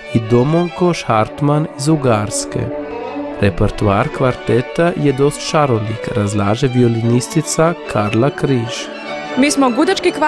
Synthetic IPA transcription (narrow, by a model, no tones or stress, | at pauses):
id̪omoŋkoʃhaɾt̪manizuɡaːɾskḛ | ɾepeɾt̪uaːɾkʋaɾt̪ɛt̪ajɛd̪ost̪ʃaɾonikɾazlaːʒɛʋiolinist̪it̪sakʰaɾlakɾiːʃ | miːsmoɡud̪at͡ʃkikʋ